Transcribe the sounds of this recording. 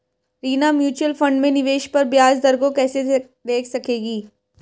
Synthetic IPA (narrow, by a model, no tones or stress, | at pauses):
ɾiːnamjuːt͡ʃuəlfɐ̃ɳɖmẽnɪʋeːʃpɐɾbjaːzd̪ɐɾɡõkɛːse | d̪eːkʰsɐkeːɡiː